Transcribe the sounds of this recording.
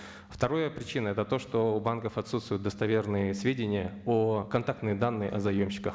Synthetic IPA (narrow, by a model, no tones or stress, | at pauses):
ft̪ɐɾo̞jəpɾʲɪt͡ɕinəɛt̪ət̪o̞ʂt̪o̞ːbankəfɐt̪sut̪st̪vʊjʊt̪d̪əst̪ɐvʲe̞rnɨjəsvʲedʲɪnʲɪjəokɐnt̪ak̚t̪nɨjəd̪anːɨjɪʔɐzɐjomɕːɪ̥kəx